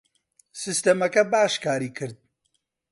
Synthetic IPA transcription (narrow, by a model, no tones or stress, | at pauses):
sɨst̪ɐmɐkɐbaːʃkaːɾiːkʰɨɾd̪̚